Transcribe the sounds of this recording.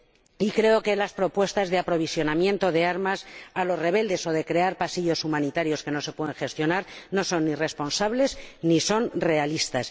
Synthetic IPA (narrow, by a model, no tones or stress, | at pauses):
ikɾe̞oke̞laspɾo̞pwe̞st̪azðe̞apɾoβ̞isjo̞namjẽ̞nt̪o̞ðe̞aɾmasalo̞zre̞βe̞ld̪e̞so̞ðe̞kɾe̞aɾpasiʎo̞sumãnit̪aɾjo̞ske̞no̞se̞pwe̞ðeŋxe̞st̪jo̞naɾno̞so̞nːire̞spo̞nsaβle̞zniso̞nre̞alist̪as